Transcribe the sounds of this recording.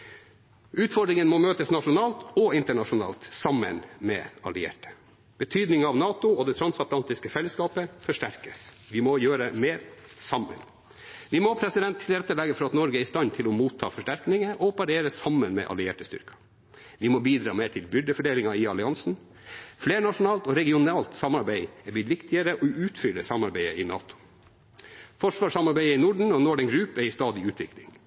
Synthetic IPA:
ʉːt̪fɔɖɾɪŋənmɔmøːt̪əsnɑʂʊnɑːlt̪ɔɪnt̪əɳɑʂʊnɑ̰ːlt̪sɑmːə̰nmɛ̰ːɑ̰lɪḛːʈə̥ | b̥ət̪ʰyːd̪nɪŋɑʋnɑːt̪ʊɔd̪ɛt̪ʰɾɑnsɑt̪lɑnt̪ɪskəfɛlːəskɑːpəfɔʂʈæɾkəsʋɪmɔjøːɾəmeːɾsɑmːə̰n | ʋɪmɔpʰɾɛsɪd̪ɛnt̪ʰːɪlɾɛt̪ːəlɛɡːəfɔɾɑt̪nɔɾɡəæɪst̪ɑnt̪ʰɪlɔmuːt̪ʰːɑ̰ːfɔʂʈæɾknɪŋəʔɔpɑɾeːɾəsɑmːənmɛ̰ːʔɑ̰lɪḛːʈəst̪ʏ̰ɾkɑ̥ | ʋɪmɔbiːd̪ɾɑ̰ːmeːʈʰɪlbʏd̪əfɔɖeːlɪŋɑɪɑlɪɑnsn̩ | fleːɾɳɑʂʊnɑːlt̪ɔɾɛɡɪʊnɑːlt̪sɑmɑɾbæɪɛb̪ɪt̪ʋɪkt̪ɪəɾəʔɔʉːt̪fʏləsɑmːɑɾbæɪəɪnɑ̰ːt̪ʰʊ̥ | fɔʂʋɑːʂɑmɑɾbæɪəɪnʊɖɳ̩ɔnoːɖɛŋɡɾʉːpɛɾɪst̪ɑːd̪ɪʉːt̪ʰʋɪklɪ̰ŋ

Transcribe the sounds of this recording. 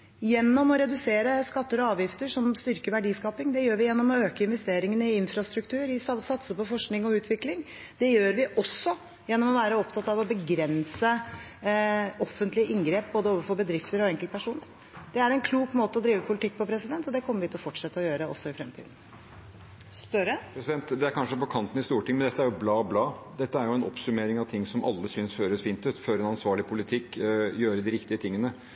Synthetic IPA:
jɛnːɔmɔɾɛd̪ʉseːɾəskɑt̪ːəɾɔɑːʋjɪft̪əʂɔmst̪ʏɾkəʋæɖiːskɑːpɪŋd̪ɛjøːɾʋɪjɛnːɔmɔøːkəɪnʋɛst̪eːɾɪŋənəɪɪnfɾɑst̪ɾʉkt̪ʰʉːɾɪssɑt̪səpɔfɔʂknɪŋɔʉːt̪ʰʋɪklɪŋ | d̪̥ɛjøːɾʋɪʔɔsːɔ | jɛnːɔmɔʋæːɾəɔpt̪ʰɑt̪ɑʋɔbəɡɾɛnsə | ɔfːənt̪lɪəʔɪŋɡɾeːp̚boːd̪əoːʋəɾfɔbəd̪ɾɪft̪əɾɔɛŋkəl̚pʰæʂuːnəɾ | d̪̥ɛæɾɛnkʰluːkmoːt̪əɔd̪ɾiːʋəpʰʊlɪt̪ʰɪk̚ːpɔpʰɾɛsɪd̪ɛnt̪ɔd̪ɛkʰɔmːəɾʋɪt̪ʰɔfɔʈʂɛt̪ːəɔjøːɾəɔ̰sːɔɪfɾɛmt̪ʰḭːd̪n̩ | st̪ɾəpɾɛsɪd̪ɛnt̪d̪ɛæɾkʰɑnʂəpɔkʰɑnt̪n̩ɪst̪uːʈɪŋmɛnd̪ɛt̪ːəæɾjʊblɑːblɑːd̪ɛt̪ːəæɾjʊɛnɔ̰psʉmeːɾɪŋɑʋt̪ʰɪŋːsɔmʔɑ̰lːəsyːnsføːɾəsfiːnt̪ʉːt̪føːɾɛnɑnsʋɑːɭɪpʰʊlɪt̪ʰɪkːjøːɾəd̪ɪɾɪkt̪ɪət̪ʰɪŋːənə

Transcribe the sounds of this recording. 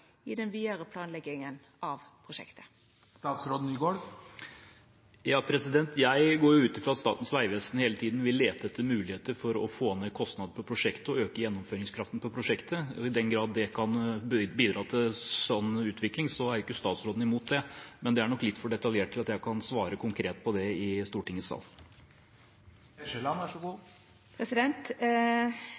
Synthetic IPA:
ɪd̪ɛnʋiːəɾəpʰlɑːnlɛɡɪŋən | ɑʋpʰɾʊʃɛ̰kt̪ə̥ | st̪ɑːt̪sɾoːd̪n̩ɪɡoːɽ | jɑːpʰɾɛsɪd̪ɛnt̪ʰjæɪɡoːɾjʊʉːt̪ɪfɾɑːt̪st̪ɑ̰ːt̪n̩sʋæɪʋɛst̪n̩heːlət̪ʰiːd̪n̩ʋɪlːeːt̪əɛt̪ʰːəmʉːlɪheːt̪əɾfɔɾɔfoːnːeːkʰɔst̪nɑd̪əɾpɔpʰɾʊʂɛkt̪əɔøːkəjɛnːɔmføːɾɪŋskʰɾɑft̪n̩pʰɔpʰɾʊʂɛkt̪ʰəɔɪd̪ɛnɡɾɑːd̪ːɛkʰɑnbiːd̪ɾɑːt̪ʰɪsɔnːʉːt̪ʰʋɪklɪŋsɔæɾjʊkːəst̪ɑːt̪sɾoːd̪n̩ɪmuːt̪̚d̪ɛmɛnd̪ɛæɳɔkːlɪt̪ːfɔɖɛt̪ɑljeːʈ̚ʰːɪlɑt̪jæɪkʰɑnsʋɑːɾəkʰʊŋkʰɾeːt̪pʰɔd̪ɛɪst̪uːʈɪŋːəsɑ̰ːl | lɑnæʂɔɡuː | pʰɾɛsɪd̪ɛnt̪

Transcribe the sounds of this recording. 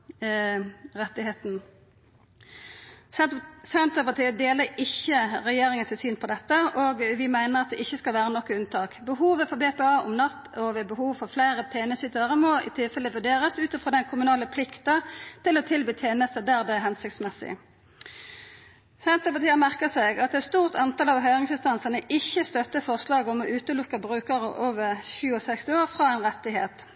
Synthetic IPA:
ʁɛt̪ːɪheːt̪n̩ | sɛnt̪əpɑt̪iːəd̪eːləɾɪçːəʁɛjeːɾɪŋənsɪsyːnpʰɔd̪ɛt̪ːəʔoːɡʋɪmæɪnəʁɑt̪̚d̪ɛʔɪçːəskɑlʋæːʁənɔkːəʉnt̪ʰɑːkbəɦuːʋəfɔbeːpeːɑːʔʊmnɑt̪ːɔʋeːbəhuːʋfɔʁflæɪʁət̪ʰeːnəsyt̪əʁəmɔɪ̰t̪ʰɪlfɛləʋʉɖeːʁəsʉːt̪ɔfʁoːd̪ɛnkʰʊmʉnɑːləpʰlɪkt̪ɑt̪ɪlɔt̪ʰɪlbiːt̪ʰeːnəst̪əd̪æːʁd̪ɛæɦɛnsɪk̚t̪smɛsɪ̰ | sɛnt̪əpɑʁt̪iːəmæʁkəsɛɡɑt̪̚d̪ɛt̪st̪uːʁt̪ʰɑnt̪ʰɑlɑʋɦœʏʁɪŋsɪnst̪ɑnsɑnəʔɪçːəst̪œt̪ːəfɔʁslɑːɡɔmɔʔʉːt̪əlʊkːəbʁʉːkəʁəʔoːʋəʁçʉːɔsɛkst̪ɪoːʁfʁɑɛɪnʁɛt̪ːɪɦeːt̪

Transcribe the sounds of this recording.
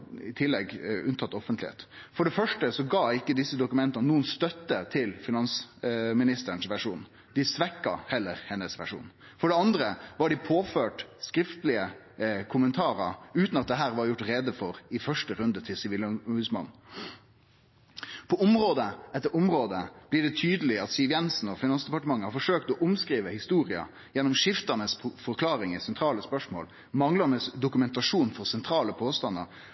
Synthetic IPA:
ɪt̪ʰɪlːɛɡʉnt̪ʰɑt̪ːɔfənt̪lɪhḛːt̪fɔɖɛfœʂʈəsɔɡɑːɪkːəd̪ɪsːəd̪ʊkʉmɛnt̪ɑnənuːənst̪œt̪ːət̪ʰɪlfɪnɑnsmɪnɪst̪əəɳsʋæʂuːn | d̪̥ɪsʋɛkːɑ̰hɛlːəɾhɛnːəsʋæʂṵːn | fɔɖɛɑnd̪ɾəʋɑɖɪpʰoːføːʈskɾɪft̪lɪə | kʰʊmənt̪ʰɑːɾə̰ɾʉːt̪nɑt̪̚d̪ɛɦæːɾʋɑɾjʊʈːɾɛd̪əfɔɾɪfœʂʈəɾʉnd̪ət̪ʰɪlsɪʋɪləʊhʉːsmɑ̰n | pʰɔʊmɾoːd̪əɛt̪ːəʊmɾoːd̪əb̥lɪɖɛt̪ʰyːd̪əlɪɑt̪siʋjɛnsn̩ɔfɪnɑnsd̪ɛpɑʈəmɑŋːəhɑɾfɔʂøːk̚t̪ɔʔʊmskɾiːʋəhɪst̪uːɾɪɑ̰ | jɛnːɔmʂɪft̪ənəsfɔɾkʰlɑːɾɪŋɪsɛnt̪ʰɾɑːləspœʂmo̰ːl | mɑŋləmɛd̪ʊkʉmɛnt̪ɑʂuːnfɔɾsɛnt̪ʰɾɑːləpʰoːst̪ɑnə̰ɾ

